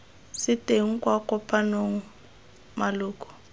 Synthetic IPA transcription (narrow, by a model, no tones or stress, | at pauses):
sɪteŋ̩kwakɔpʼanoŋ̩ | malʊːkɔ̥